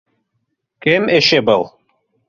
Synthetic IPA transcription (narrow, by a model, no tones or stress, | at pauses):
kɘmeʃɘbɤlˠ